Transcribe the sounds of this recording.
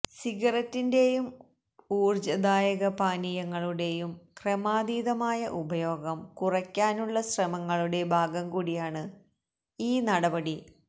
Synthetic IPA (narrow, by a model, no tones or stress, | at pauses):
siɡɐrɐtːinde̞jum | uːrd͡ʑɐd̪aːjɐɣɐpaːnijɐŋːɐɭuɽe̞jumkremaːd̪iːðɐmaːjɐʔubɐjo̞ːɡɐmkurɐkʲːaːnuɭːɐɕrɐmɐŋːɐɭuɽe̞bʱaːɡɐmkuːɽijaːɳɨ | iːnɐɽɐbɐɽi